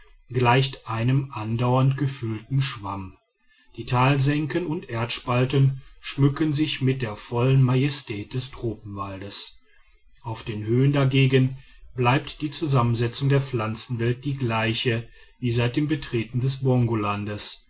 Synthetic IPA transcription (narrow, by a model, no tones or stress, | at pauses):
ɡlaɪçtʔaɪnəmʔandaʊɐntɡ̥əfʏltn̩ʃv̥a̰m | d̥iːtʰaːlzɛŋkənʊntʔeːɐtʃpaltənʃmʏkənzɪçmɪt̚d̥eːɐfɔlənmajɛstʰɛːt̚d̥ɛstʁ̥oːpm̩valdəs | ʔaʊfd̥eːnhøːəndaɡeːɡənb̥laɪp̚td̥iːt͡suzamənzɛt͡sʊŋdeːɐp͡flant͡sn̩vɛlt̚d̥iːɡlaɪçəviːzaɪt̚d̥eːmbətʁ̥eːtn̩dɛsbɔŋɡolandəs